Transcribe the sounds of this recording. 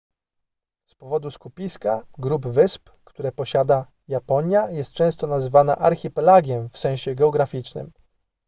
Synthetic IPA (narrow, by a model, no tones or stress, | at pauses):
spɔvɔd̪uskupʲiskaɡɾubvɘsp | kt̪uɾɛpɔɕad̪a | japɔɲjajɛst̪̚t͡ʂɛ̃w̃st̪ɔnazɘvana̰ʔaɾxʲipɛlaɡʲjɛmfsɛ̃w̃ɕɛɡɛɔɡɾafʲit͡ʂnɘ̰m